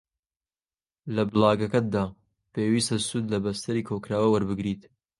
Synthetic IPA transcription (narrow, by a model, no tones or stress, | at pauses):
lɐbɨlɑːɡɐkɐt̪̚d̪aː | peːwiːst̪ɐsuːd̪lɐbɐst̪ʰɐɾiːkʰokɾaːwɐwɐɾbɨɡɾiːt̪